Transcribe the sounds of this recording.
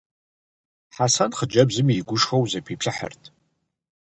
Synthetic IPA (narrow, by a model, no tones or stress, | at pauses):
ħasɐnχəd͡ʒɐbzɨmjɪɡʷʊʃxɐwzɐpʰiːpɬɨħə̰rtʰ